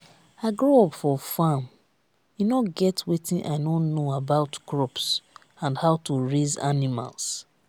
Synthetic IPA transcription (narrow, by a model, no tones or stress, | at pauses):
aɪɡɹoɔpfɔfãm | junɔɡɛtwitĩnʔa̰ɪnõnːoabaʊtkɹɔps | ãndhaʊtuɹeza̰nima̰ls